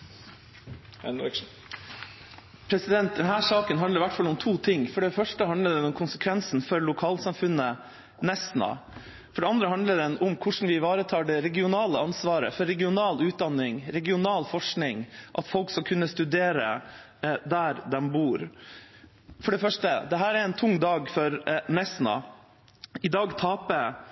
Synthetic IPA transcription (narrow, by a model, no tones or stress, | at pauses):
pʰɾɛsɪd̪ɛnt̪̚d̪ɛnɦæːʂɑːkənɦɑnd̪əɾɪʋæʈːfɑlːɔmt̪ʰuːt̪ʰɪŋfɔɖɛfœʂʈəhɑnd̪əɖɛnʊmkʰʊnsəkʰʋɛnsn̩fɔɾlʊkʰɑːlsɑmfʉnːə | nɛsnɑ̰ | fɔɖɛɑnd̪ɾəɦɑnd̪ləɖ̪ɛnʊmkʰʊʂn̩ʋɪʋɑːɾət̪ʰɑːɖɛɾɛɡɪʊnɑːləɑnsʋɑːɾə̰fɔɾːɛɡɪʊnɑːlʉːt̪̚d̪ɑnːɪŋɾɛɡɪʊnɑːlfɔʂknɪŋʔɑt̪fɔlkskɑkʰʉnːəst̪ʉd̪eːɾə̰ | d̪æɾd̪ɛmbuːɾ | fɔɖɛfœʂʈəd̪ɛɦæːɾɛɾɛnt̪ʰʊŋd̪ɑːɡfɔɾnɛsnɑ̰ | ɪd̪ɑːɡt̪ʰɑːpə